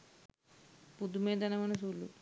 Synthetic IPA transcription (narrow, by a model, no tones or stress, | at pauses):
pud̪umeːd̪ɐnɐmɐnɐs̬uːlːṵ